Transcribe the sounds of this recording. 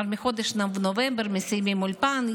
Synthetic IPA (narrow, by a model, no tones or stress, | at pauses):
ɾmɪxod̪ɪʃnamʋnɔʋɛmbrmɪsɛjmimʊlʲpan